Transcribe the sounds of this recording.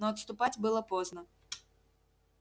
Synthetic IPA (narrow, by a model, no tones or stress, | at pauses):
nɔːt̪st̪ʊpat͡sʲbɨlˠɐpɔznɐ